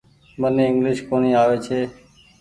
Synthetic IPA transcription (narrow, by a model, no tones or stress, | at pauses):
mənːeɪ̃ŋɡlɪʃkoɳ̃iːaːʋet͡ʃʰeː